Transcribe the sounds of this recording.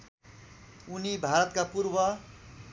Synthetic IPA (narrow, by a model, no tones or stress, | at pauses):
unibʱaɾʌt̪kapurbʌ